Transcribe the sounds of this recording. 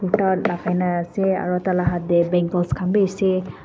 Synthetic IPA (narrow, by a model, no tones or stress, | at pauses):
uʈatlakʰajnasea̰ɹɔtalaɦat̚dɛbɛŋkɔskʰambese